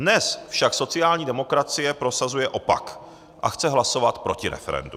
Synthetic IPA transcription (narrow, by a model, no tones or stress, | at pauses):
dnɛsfʃakso̞t͡sɪaːlɲiːdɛmo̞kɾat͡sɪjɛpɾo̞sazujɛʔo̞pa̰k | ʔa̰xt͡sɛɦlaso̞vat̪pɾo̞cɪɾɛ̰fɛ̰ɾɛ̰ndu